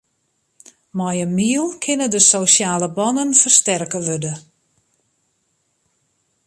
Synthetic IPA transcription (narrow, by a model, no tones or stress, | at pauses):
mɔjəmiəlˠkʰɪnədəsowsjaːləbɔnənfərstɛrkəʋødə